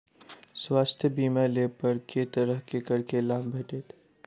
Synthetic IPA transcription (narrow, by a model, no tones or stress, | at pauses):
swaːst̪ʰjəbiːmaleːpəɾket̪ɐɾəɦkekɐɾkelaːbbʱɐʈeːt̪ʰː